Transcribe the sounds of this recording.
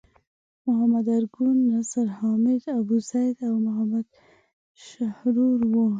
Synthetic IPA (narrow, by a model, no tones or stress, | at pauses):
mʊɦamad̪aɾɡunːasaɾhɑmɪd̪abuzajd̪awmʊɦamad̪ | ʃahɾuɾwo